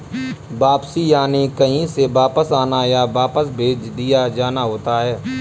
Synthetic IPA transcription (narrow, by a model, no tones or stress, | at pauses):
baːpsijaːnekəɦĩseʋaːpəsaːnajabaːpəsbʱeːd͡ʒd̪ijad͡ʒaːnaɦoːt̪aɦɛː